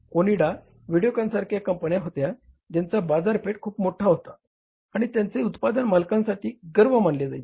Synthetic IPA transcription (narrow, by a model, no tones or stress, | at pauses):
koniɽa | ʋiɽijokãnsaɾkʰjakəmpənjaɦot̪ja | d͡ʑ̪jant͡sabad͡zaɾpeʈ̚kʰuːpmoʈʰaɦot̪aː | ɽ̃it̪jant͡seut̪pad̪ənmalkãnsaʈiːɡəɾʋəmanled͡zaj